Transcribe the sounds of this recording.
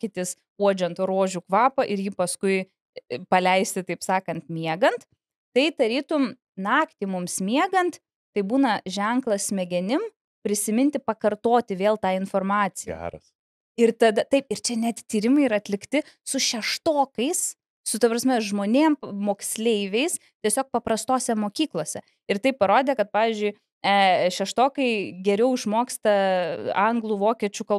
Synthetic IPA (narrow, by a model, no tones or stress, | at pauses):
kʲɪt̪ʲɪs | uɔd͡ʒʲont̪ɾoːʒʲukʋɑːpɐʔɪɾjiːpɐskʊɪ | pɐlʲɛɪsʲt̪ʲɪt̪ɐɪpsɑːkɐnt̪mʲiɛɡɐnt̪ | t̪ɐɪd̪ɐɾʲiːt̪ʊm | nɑːkt̪ʲɪmʊmsmʲiɛɡɐnt̪ | t̪ɐɪbuːnɐʒʲɛŋklˠɐssʲmʲɛɡʲɛnʲɪm | pʲɾʲɪsʲɪmʲɪnʲt̪ʲɪpɐkɐrt̪oːt̪ʲɪʋʲeːlˠt̪ɑːɪnfoːrmɑːt͡s̪ʲɪ̰ɾɐs | ɪrt̪ɐd̪ɐt̪ɐɪpɪrt͡ʃʲɛnʲɛt̪ʲt̪ʲiːɾʲɪmɐɪiɾɐɐt̪ʲlʲɪkt̪ʲɪsʊʃʲɛʃt̪oːkɐɪs | sʊt̪ɐpɾɐsʲmʲɛʒmoːnʲeːmmoːksʲlʲeɪʋʲɛɪs | t̪ʲiɛsʲoːk̚pɐpɾɐst̪oːsʲɛmoːkʲiːklˠoːsʲɛ | ɪɾt̪ɐɪp̚pːɐɾoːd̪ʲeːkɐt̪̚pɑːʋʲiːzʲd͡ʒʲʊɪ | ɛʃʲɛʃt̪oːkɐɪɡʲɛɾʲɛʊɪʃmoːksʲt̪ɐɐŋɡlˠuʋoːkʲiɛt͡ʃʲukɐ